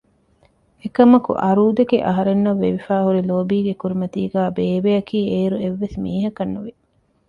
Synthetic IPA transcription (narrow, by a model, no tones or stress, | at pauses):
ekɐmɐkṵʔɐɾuːd̪eɡeʔɐ̰ɦɐɾenːɐʋːḛʋifæːɦuɾiloːbiːɡekuɾimɐt̪iːɡæːbeːʋejɐkiːeːɾueʋːesmiːɦɐkɐnːuʋi